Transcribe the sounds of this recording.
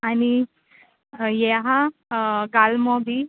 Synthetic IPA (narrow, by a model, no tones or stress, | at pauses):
añi | jɛɦa | ɡalmɔb̪ʱi